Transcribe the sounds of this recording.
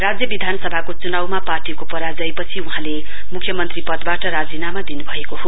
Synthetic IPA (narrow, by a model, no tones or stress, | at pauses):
rad͡zjʌbid̪ʱanʌsʌbʱakot͡sunawmaparʈikopʌɾad͡zʌjpʌt͡sʰiuɦãle | mukʰjʌmʌnt̪ripʌd̪baʈʌɾad͡zinamad̪inubʱʌekoɦo